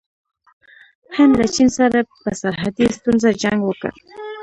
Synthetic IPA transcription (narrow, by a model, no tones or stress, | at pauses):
hɪnd̪lat͡ʃinsaɾapəsaɾɦad̪ist̪unzad͡ʒaŋɡwəkə̰ɾ